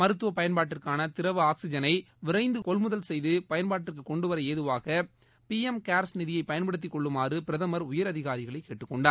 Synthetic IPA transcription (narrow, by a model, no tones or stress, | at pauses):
mɐɾɯt̪ːɯʋɐpɐjɐnpaːʈːɪrkaːnɐt̪ɪɾɐʋɯaːksɪd͡ʒɐnɐɪ | ʋɪɾɐɪnd̪ɯkɔlmʊðɐlsɛjðɯpɐjɐnpaːʈːɪrkɯkɔɳɖɯʋɐɾɐeːðɯʋaːɣɐ | piɛmkaːɾsnɪðɪjɐɪpːɐjɐnpɐɽɯt̪ːɪkːɔɭːɯmaːrɯpɪɾɐðɐmɐɾʊjɐɾɐðɪɣaːɾɪɣɐɭɐɪkːeːʈːɯkːɔɳɖaː